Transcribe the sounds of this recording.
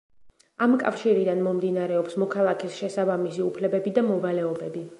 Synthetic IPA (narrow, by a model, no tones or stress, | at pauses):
amkʼa̰fʃiɾid̪anmɔmd̪inaɾɛɔpsmɔkʰalˠakʰisʃɛsabamisiupʰlɛbɛbid̪amɔvalɛɔbɛbi